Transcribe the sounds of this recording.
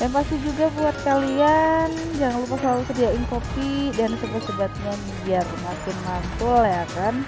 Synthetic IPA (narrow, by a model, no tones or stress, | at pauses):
jaŋpast̪id͡ʒuɡabuat̪̚kalian | d͡ʒaŋanlupaslalusədiaʔɪŋkopidansəbat̪səbat̪̚ɲamiiarmakɪnmant̪ʊljakan